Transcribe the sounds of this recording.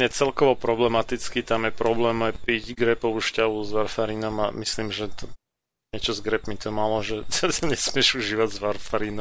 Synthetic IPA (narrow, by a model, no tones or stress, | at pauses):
ɛt͡sɛlkɔʋɔpɾɔblɛmat̪it͡skit̪amjɛpɾɔblɛːmajpiɟɡɾɛpɔʊʃcaʋuzʋaɾfaɾiːnɔmamisliːmʒɛt̪ɔ | ɲɛt͡ʃɔzɡɾɛpmit̪ɔmalɔʒɛɛsɛɲɛsmɪɛʒuʒiːʋaɟzʋaɾfaɾiːnɔ